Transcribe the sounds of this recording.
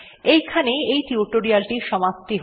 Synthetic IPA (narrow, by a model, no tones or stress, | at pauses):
ejkʰaneejtiuʈoɾialʈiʃɔmap̚t̪iɦ